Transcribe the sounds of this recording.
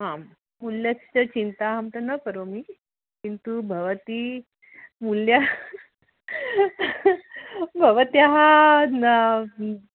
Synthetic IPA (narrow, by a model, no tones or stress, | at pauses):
ɦã | muljat͡ɕət͡ɕint̪aɦamt̪ənəkəɾomiː | kint̪ubʱəʋət̪iː | mulja | bʱəʋət̪iaɦanə